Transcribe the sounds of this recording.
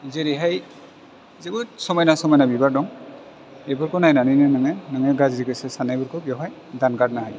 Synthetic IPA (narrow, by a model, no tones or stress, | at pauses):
zeɾiɦaj | zeɡusɔmɔjnasɔmɔjnabibaɹdɔŋ | ejbɔɹkɔnajnaninɯnɯŋɛnɯŋɛɡazdiɡɯsɛsanajbɔɹkubijɔɦaj | danɡad̚naɦaj